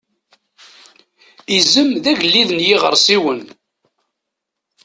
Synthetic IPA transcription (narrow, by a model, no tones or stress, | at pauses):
izəmðæʝəlːiðənjiʁəɾˤsiwən